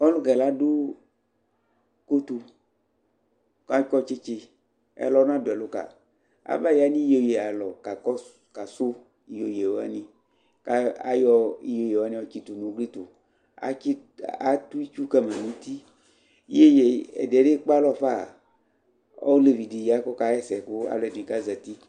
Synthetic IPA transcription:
ɔ˦lu˦ɡɛ˨la˦do˦ | ko˦t̪u˨ | ka˦kɔ˦t͡ʃe˦t͡ʃe˨ | ɛ̰˨lɔ˦nã˦do˨ɛ˨lo˦ka̰˨ | a̰˨ba˦˨ja˦nĩ˦jo˨je˨a˨lɔ˨ka˨kɔ˦ | ka˨so˦ | i˨jo˨je˨wo˦a̰˦nĩ˨ | ka˦a̰˦jɔ˦i˦jo˨je˨wo˨a˦nĩ˦ɔ˦t͡ʃi˦t̪u˨nũ˦ɡli˦t̪o˨ | a̰˨˦i˦ | a˨˦t̪u˦i˦t͡ʃu˦kɛ˦mã˨nũ˦t̪i˦ | e˦je˦ɛ̰˨de˨ɖe˦k͡pa˦lɔ˦˨fa˦˨ | o̰˦le˨vi˨di˨ji˨a˦kɔ˦ka˦jɛ˦sɛ˨ko˦a̰˨lɔ˨dĩ˨ka˦zɛ˨t̪i˦

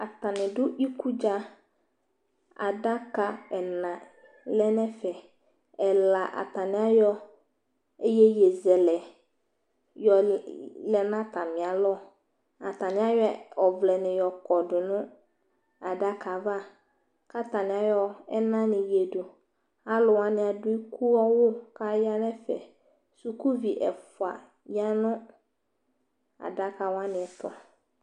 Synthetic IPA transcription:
a˨t̪a˨nɪ̃˨dʊ˦i˦ku˦d͡ʒa˦ | a̰˨da˦ka˨ɛ˨nã˨ | lɛ˦nɛ̃˦fɛ˨ | ɛ˨la˨ʔa̰˨t̪a˨nɪ̃˨˦a˦jɔ˦ | e˦jɛ˦je˨zɛ˨lɛ˨ | jɔ˨lɛ˨nã˦t̪a˨mɪ̃˨a˨lɔ˦˨ | a˨t̪a˨nɪ̃˦a˦jɛ˦ɔ˨vlɛ˨nɪ̃˨jɔ˨kɔ˨dʊ˨nʊ̃˦ | a˨da˦kʰa˨va˦ | ka˦ta˨nɪ̃˨a˨˦jɔ˦ɛ˦nã˦nɪ̃˨je˨dʊ˨ | a˨lʊ˨wã˦nɪ̃˨a˨dʊ˦i˦kʰu˦ɔ˦wʊ˦ka˦ja˦nɛ̃˦fɛ̰˨ | su˨ku˦vi˨ʔɛ˨fʊ˨a̰˨ | ja˦nʊ̃˦ | a̰˨da˦ka˨wã˦nɪ̃˨ɛ˨t̪ɔ̰˨

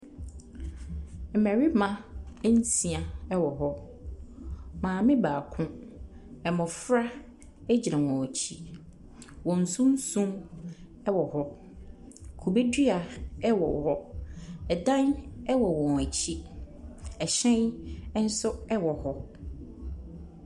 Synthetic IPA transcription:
m̩˨mæ˨ɾi˦mã˦n̩˦sĩ˨a˨ɛ˦wɔ˨ɦɔ˦ | mãː˨mɪ̃˦baː˨kʰʊ̃˦ | ɛ˨mʊ̃˨fɾa˦ | ɛ˦d͡ʑi˨ɾã˨wɔ̃˨ɔ˨t͡ɕʰi˦ | wɔ̃˨n̩˨sũ˦n˦sũ˦m | ɛ˦wɔ˨hɔ˦ | kʰu˨be˦di˦a˨ɛ˦wɔ̰˨hɔ˦ɛ˨dã˦nɛ˦wɔ˨wɔ̃˨n˨æ˨t͡ɕʰi˦ | ɛ˨ɕɛ̃˦n˦n̩˦sʊ˦ɛ˦wɔ˨hɔ˦

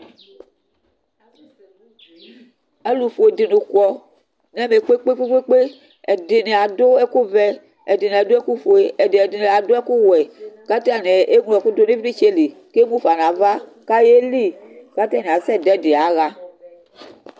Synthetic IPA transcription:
ɛ˦lu˨fo˨e˨di˨nũ˨kɔ˨ | nɛ˦me˨k͡pe˦k͡pe˦k͡pe˦k͡pe˦k͡pe˦ | ɛ˨de˨ne˨a˨do˦ɛ˦ku˦vɛ˦ | ɛ˨di˨ne˨a˨do˦ɛ˦ku˦fo˨e˨ɛ˨de˨ɛ˨di˨ne˨a˨do˦ɛ˦ku˦wɛ˨ka˦t̪a˦˨nɛ˨e˦ŋulɔ̃˨ku˦do˦ne˦vi˦i˦t͡ʃe˦li˨ke˦mũ˦fa˨nã˨va˦ka˦je˦li˦˨ka˦t̪a˦ne˨a˨sɛ˦˨dɛ˨˦de˨a˨˦ɣa˦

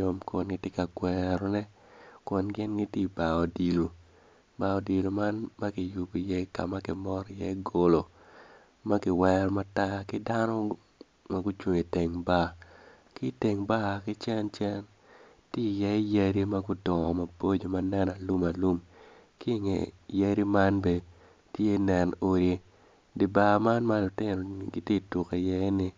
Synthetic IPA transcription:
o˦mko˨nɡɪ˦te˦ka˨ɡwɛɾɔ˦nɛ˦ | kwo˨nɡɪ˦nɡɪ˦ti˦ba˨ɔ˨di˨lo˨ | ba˨ɔ˨di˨lo˨ma˦nma˦kɪ˨ju˨bi˨jɛ˦ka̰˨ma˦kɪ˨mɔ˦ɾjɛ˦ɡo˨lo˨ | ma˦kɪ˨wɛɾɔ˦ma˦ta˦kɪ˦da˦nɔ˦ | ma˦ɡu˦t͡ʃo˨e˨te˨ŋba˦˨ | kɪ˦te˨ŋba˦kɪ˦t͡ʃɛ˦nt͡ʃɛ˦n | ti˦˨jɛ˦ja˦ɾi˦ma˦ɡʊ˦dɔ˨ɔ˨ma˨bo˦d͡ʒo˨ma˦nɛ˦na˨lu˦ma˨lu˦m | kɪ˦ŋḛ˨ja˦ɾi˦ma˦nbe˨ | tje˦nɛ˨no˨ɾe˦ | di˨ba˨ma˦nma˦lʊ˨tɪ˦no̰˨ɡi˦te˦˨tu˨ke˨jɛ˦nɪ˨

